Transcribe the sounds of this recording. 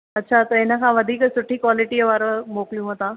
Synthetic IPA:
ətːɕʰat̪əɾenakʰãʋəd̪ʱiːkəsuʈʰiːkʋɔliʈiəʋaɾəmoklijũɦot̪a

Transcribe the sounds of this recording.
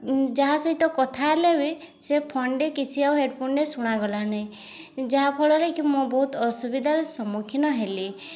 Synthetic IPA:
d͡ʒaɦasɔɦit̪ɔkɔt̪ʰalewi | sepʰɔɳɖekit͡ʃʰiawɦeɖpʰuɳɖesuɽ̃aɡɔlanaĩ | d͡ʒaɦapʰɔɭɔɾekimũbɔɦut̪ɔsubid̪ʱaɾɔsɔmukʰinɔɦeli

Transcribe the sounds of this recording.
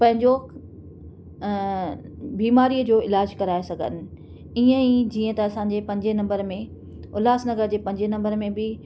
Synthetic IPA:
pɐ̃ɦɪ̃ɲd͡ʑo | biːmaːɾiːəd͡ʑoːɪlaːd͡ʑkɐɾaːesɐɡʱə̰nɪ̆ | iːə̃ĩd͡ʑiːə̃t̪ɐɐsãːɲ̆d͡ʑepɐ̃ɲd͡ʑenɐ̃mbəɾmẽ | ʊlaːsnɐɡəɾd͡ʑeːpɐ̃ɦɪɲd͡ʑenɐ̃mbəɾmẽbɪ

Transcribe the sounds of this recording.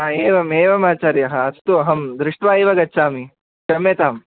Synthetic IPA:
aeːʋɐmeːʋɐmaːt͡ʃaːɾiɐɦɐɐst̪uɐɦɐmd̪ɾɪʂʈʋaːeːʋɐɡɐtːt͡ʃʰːaːmi | t͡ʃɐmːeːt̪aːm

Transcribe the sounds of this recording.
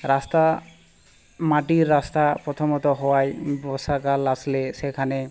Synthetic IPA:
ɾast̪a | maʈiɾːast̪apɾɔt̪ʰɔmɔt̪ɔɦɔwajbɔsakalaslesekʰane

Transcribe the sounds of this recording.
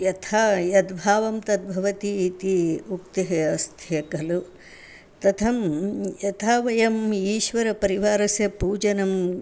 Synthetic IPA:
jɐt̪ʰaːjɐd̪bʱaːʋɐmt̪ɐd̪̚bʱɐʋɐt̪iːt̪iukt̪ɐɦɐɐst̪ʰjɐkɐlu | t̪ɐt̪ʰɐmjɐt̪ʰaːʋɐjɐmiːʃʋɐɾɐpɐɾiʋaːɾɐsjɐpuːd͡ʒɐnɐm

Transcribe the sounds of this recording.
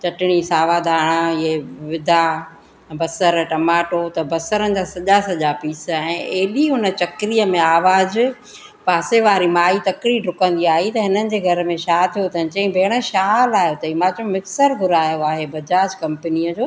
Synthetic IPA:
t͡ɕɐʈɪɽ̃isaːʋad̪ʱaːɽ̃əɪɦeʋɪd̪ʱa | bɐsəɾʈɐmaːʈot̪ɐbɐsəɾənɪ̆d͡ʑaːsɐʄasɐʄapiːsɛ̃ːeːɗiɦʊnə̆t͡ɕɐkɾiəmẽaːʋaːz | paːseʋaːɾimaːit̪ɐkɾiɖʱʊkə̃nd̪iaːɦit̪ɐɦɪnənɪ̆d͡ʑeːɡʱɐɾəmẽʃaːɦt̪ʰijot̪ɐ̃t͡ɕɐ̃ĩbʱeːɽ̃ə̆ʃaːlaːɦjot̪ɐimãːt͡ɕõmɪksəɾɡʱʊɾaːjoaːɦebɐd͡ʑaːd͡ʑkɐ̃mpənijəd͡ʑoː

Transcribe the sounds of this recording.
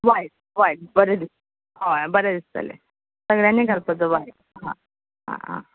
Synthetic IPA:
ʋaiʈ̚ | ʋaiʈ̚bəɾed̪ist̪ə | ɦobəɾed̪ist̪ə̰lḛ | səɡɭjaniɡəɾpət͡səʋaiʈ | ɦã̰ | ɦã̰ã̰

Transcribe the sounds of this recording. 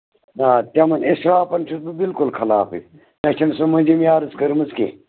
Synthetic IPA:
naːt̪ɐmɐnisɾaːpɐnt͡ʃʰisbubilkulkʰɐlaːfɨ̰ | mɐt͡ʃʰɐnsumɐnʲd͡ʒɐmjaːɾɐzkɐɾmɨzkḛ

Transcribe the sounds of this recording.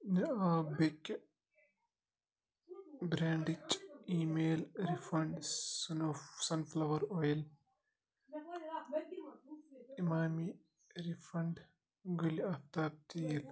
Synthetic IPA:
neaːbekː | bɾaːɳɖit͡ʃːiːmeːlɾifɐɳɖsnosɐnflɐʋɐɾoːjɐl | imaːmi | ɾifɐɳɖ | ɡuliɐt̪aːp̚t̪ijɐl

